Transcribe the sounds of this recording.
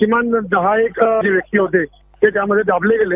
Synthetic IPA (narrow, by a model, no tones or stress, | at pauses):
kimand̪əɦaekd͡ʑeʋjək̚t̪iːɦot̪e | t̪et̪jaməd̪ʱːjed̪abʱleɡele